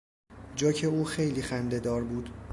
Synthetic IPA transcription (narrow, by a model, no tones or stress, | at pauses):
d͡ʒɒːcʰe̞uːxe̞jliːxænd̪e̞d̪ɒːɾbuːd̪̥